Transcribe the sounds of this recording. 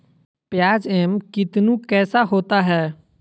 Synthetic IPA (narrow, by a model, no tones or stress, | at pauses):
pjaːd͡ʒɛːmkɪt̪nũkɛːsaɦoːt̪aɦɛː